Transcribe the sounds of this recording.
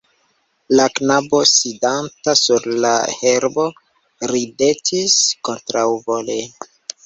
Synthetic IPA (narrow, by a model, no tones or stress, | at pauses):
laknabo̞sidantasuɾla̰heɾbo̞ | ɾide̞tʰisko̞ntɾawvolen